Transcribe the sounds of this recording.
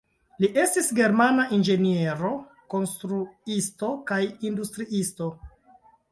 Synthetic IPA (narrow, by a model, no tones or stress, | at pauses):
liʔe̞stisɡe̞ɾmanaʔind͡ʒe̞nieɾo̞ | ko̞nstɾuisto̞kajindustɾiʔisto̞